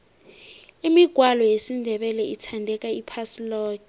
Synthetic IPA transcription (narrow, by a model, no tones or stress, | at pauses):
imiɡ̥ʱwalɔjesindʱɛɓɛlɛitʰandʱɛk̬ʼaipʰasilɔːk